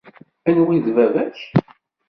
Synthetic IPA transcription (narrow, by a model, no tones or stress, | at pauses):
ænwiðvævæç